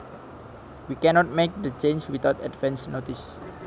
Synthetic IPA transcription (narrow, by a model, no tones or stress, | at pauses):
wikɛnɔt̪̚mek̚d̪ət͡ʃẽnswit̪awt̪ɛ̰dvɛ̃nsnot̪is